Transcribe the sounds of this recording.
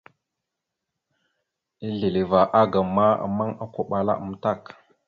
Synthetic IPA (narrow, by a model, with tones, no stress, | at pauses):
i˦ɮi˨li˨va˨ʔa˦ɡa˨ma˦a̰˨ma˦ŋa˦kʷo˦ɓa˨la̰˦ə˨m˦ta˦˨k